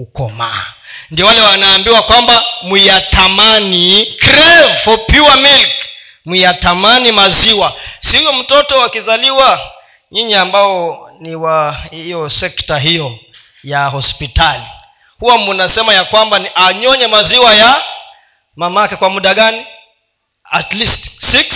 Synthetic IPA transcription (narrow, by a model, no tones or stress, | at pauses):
ukɔ̰ma̰ | ndiɔwalɛwanaːmbiwakwambamwiatʰamanikɾɛvfɔpiwamilk | mwiatamanimaziwasihuɔm̩tɔtɔwakizaliwa | ɲiɲiambaɔniwahijɔsɛktaɦijɔ | jahɔspitali | huwamunasɛmajakwambaniʔaɲɔɲɛmaziwaja | mamakɛkwamuɗaɠani | atlistsiks